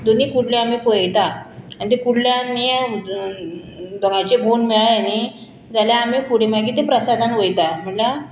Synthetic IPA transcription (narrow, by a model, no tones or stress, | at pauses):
d̪oniːkuɽleamipəjt̪aanit̪̬ekuɽljanːi | d̪ɔŋat͡ɕebʱonmeɭajani | d͡zaljaːmifuɽemaɡiːt̪epɾəsad̪ʱanʋəjt̪am̤əɳla